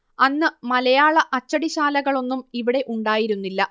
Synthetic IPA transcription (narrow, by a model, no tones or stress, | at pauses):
ɐnːɨmɐlɐjaːɭɐʔɐt͡ɕːɐɽiɕaːlɐɣɐɭo̞nːumiʋiɽe̞ʔuɳɖaːjiɾunːilːɐ